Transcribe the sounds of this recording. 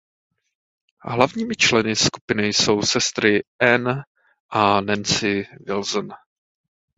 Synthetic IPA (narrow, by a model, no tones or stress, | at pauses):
ɦlavɲiːmɪt͡ʃlɛnɪskupɪnɪjso̞wsɛst̪ɾɪʔɛn | ʔanɛnt͡sɪvɪlzn